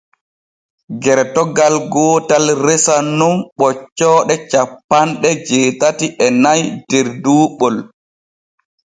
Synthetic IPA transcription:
ɡɛɾtɔɡalɡɔːtalɾɛsanunɓɔt͡ʃːɔːɗɛt͡ʃapːanɗɛd͡ʒeːtatiʔɛnajd̥ɛɾduːɓɔl

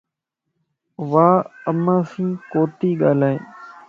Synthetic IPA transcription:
ʋaːəmːãːsĩːkoːt̪iːɠaːlaːeː

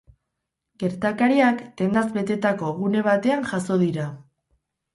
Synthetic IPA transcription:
ɡe̞ɾt̪akaɾiakt̪e̞nd̪azβe̞t̪e̞t̪ako̞ɣune̞β̞at̪e̞anʝaso̞ð̞iɾa

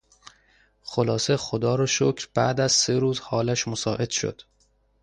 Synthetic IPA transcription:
xolɒːse̞xod̪ɒːɾɒʃocʰɾb̥æ̰ʔd̪æzseɾuːzhɒːlæʃmosɒːʔe̞d̪̥ʃo̰d̪̥

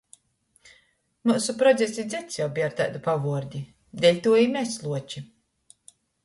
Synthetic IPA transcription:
muːsupɾɔd̪zʲesʲid̪zʲɛt̪sjawbiːaɾt̪a̰ːd̪upavuɔɾd̪ʲi | d̪ɛlʲt̪uɔimʲɛslˠuɔt͡ʃi

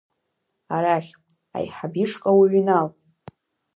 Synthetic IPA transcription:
aɾaχʲ | a̰jħabiʂkʼawuɥinal

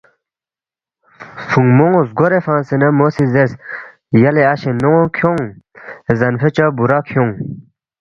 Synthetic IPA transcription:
fuŋmoŋozɡoɾefãːnsinɐmosizes | jɐleaɕenoŋkʰjoŋezɐnfet͡ɕabuɾakʰjoŋ

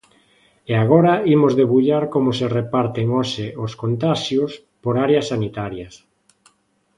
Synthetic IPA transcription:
eaɣ̞oɾɐimozðeβuʎaɾkomʊserepaɾt̪eŋoʃeʔoskont̪aʃjos | poɾaɾeɐsːanit̪aɾjɐs

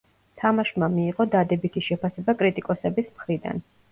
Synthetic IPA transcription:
t̪ʰamaʃmamiːʁɔd̪ad̪ɛbit̪ʰiʃɛpʰasɛbakʼɾit̪ʼikʼɔsɛbismχɾid̪a̰n

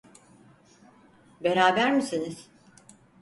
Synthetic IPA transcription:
beɾaːbæɾmisiniz̥

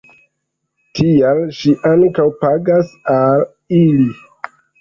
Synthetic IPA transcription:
tʰialʃiʔaŋkawpaɡasal | ili

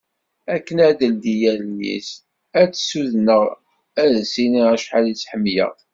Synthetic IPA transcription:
ækːənæd̪əld̪ijæljḭs | æt͡sːsuðnəʁ | æðsiniæʃħalit͡sːħəmːjə̰ʁ

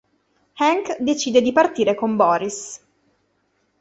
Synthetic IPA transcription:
hɛŋkd̪et͡ʃiːd̪ed̪ipart̪iːɾekombɔːɾis

